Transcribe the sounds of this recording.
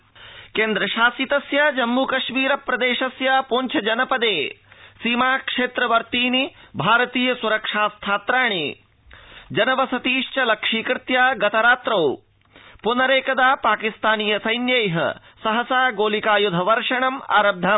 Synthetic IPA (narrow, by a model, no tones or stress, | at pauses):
keːnd̪ɾɐʃaːsit̪ɐsjaːd͡ʒɐmːuːkɐʃmiːɾɐpɾɐd̪eːʃɐsjaːponʲt͡ʃʰɐd͡ʒɐnɐpɐd̪eːsiːmaːkʂeːt̪ɾɐʋɐɾt̪iːnibʱaːɾɐt̪iːjɐsuɾɐkʂaːst̪ʰaːt̪ɾaːɳ̃i | d͡ʒɐnɐʋɐsɐt̪iːʂt͡ʃɐlɐkʂiːkɾɪt̪jaːɡɐt̪ɐɾaːt̪ɾɐw | punɐɾeːkɐd̪aːpaːkist̪aːnijɐsɐjnjɐjɦɐ̰ | sɐɦɐsaːɡoːlikaːjud̪ʱɐʋɐɾʂɐɳɐma̰ːɾɐb̚d̪ʱam